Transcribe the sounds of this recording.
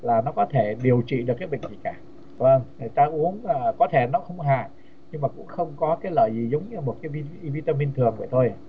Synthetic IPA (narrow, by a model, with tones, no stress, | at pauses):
laː˨˩nɔ˨˦kɔ˨˦t̪ʰe˧˩ɗi˨˩əwt͡ɕḭ˧˨ɗɨ˨˩əkːaː˨˦jɓḭ̈˧˨ŋ̟zi˨˩kaː˧˩ | və˧˩ŋŋə˨˩jt̪aː˧ʔu˨˦əŋː˨˧˩kɔ˨˦t̪ʰe˧˩nɔ˨˦xə˧wŋ͡mɦa̰ː˧˨ | ɲɨ˧ŋmaː˨˩kʊ̰˧˥ŋ͡mxə˧wŋ͡mkɔ˨˦kaː˨˦jləː˧˨jzi˨˩zə˨˦wŋ͡mɲ˧mo˨˩t̚kaː˨˦jvi˧vi˧t̪aː˧mi˧nt̪ʰɨ˨˩əŋvə̰˧˩jt̪ʰo˧j